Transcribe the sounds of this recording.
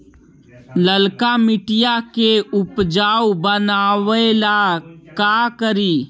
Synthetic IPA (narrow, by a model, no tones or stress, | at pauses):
ləlkamɪʈijakeʊpd͡ʒaːwbənaːwlakakəɾiː